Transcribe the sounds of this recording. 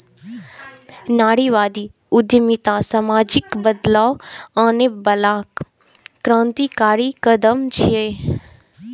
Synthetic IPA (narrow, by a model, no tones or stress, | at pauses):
naːɽiʋaːd̪iʊd̪jəmit̪ãsamaːd͡ʒɪkbəd̪laːwanebɐlaːkː | ɾãːnt̪ikaːɾikəd̪əmt͡ʃʰieː